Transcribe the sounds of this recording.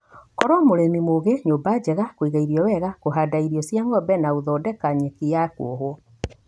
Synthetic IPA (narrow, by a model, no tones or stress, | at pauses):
kɔɾɔmoɾemimoɣeɲoːbad͡ʑɛɣakwiɣaiɾiɔwɛɣakoɦadaiɾiɔsjaŋɡɔbɛnauðɔdɛkaɲɛkijakw̰oɦw